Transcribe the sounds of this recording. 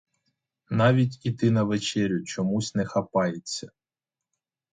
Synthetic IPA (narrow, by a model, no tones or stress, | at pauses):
nɑʋʲitʲit̪ɪnɐʋet͡ʃɛɾʲʊt͡ʃɔmusʲnɛxɐpɑjet͡sʲːɐ